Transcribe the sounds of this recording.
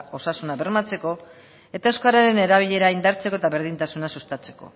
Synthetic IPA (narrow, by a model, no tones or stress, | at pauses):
o̞sasunaβe̞ɾmat͡se̞ko̞ | e̞t̪aewskaɾaɾe̞ne̞ɾaβ̞iʎe̞ɾaind̪aɾt͡se̞ko̞et̪aβe̞ɾð̞int̪asunasust̪at͡se̞̥ko̞̰